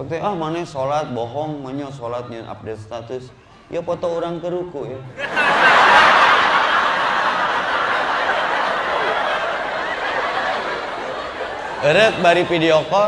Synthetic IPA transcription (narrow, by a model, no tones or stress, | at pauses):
pak̚t̪iahmanɛsolat̪̚bɔɦɔŋməɲɔsolat̪̚ɲanʔa̰p̚dɛt̪̚st̪at̪ʊs | j̰apɔt̪ɔuɾaŋkəɾukuja | əɾək̚baɾipidiokɔ